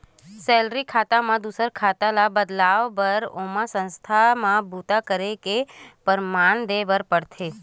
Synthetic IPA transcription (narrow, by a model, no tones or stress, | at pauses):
sɛlɾikʰat̪amãd̪usəɾkʰat̪alabəd̪laʋbəɾomãsə̃nst̪ʰamãbut̪akəɾekepəɾmaɳd̪ebəɾpəɽt̪ʰe